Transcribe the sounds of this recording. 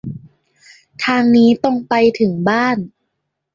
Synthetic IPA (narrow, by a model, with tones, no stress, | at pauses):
t̪ʰaː˧ŋniː˦˥t̪ɔ˥˩ŋpa˧jt̪ʰɯ˩˦ŋbaː˥˩n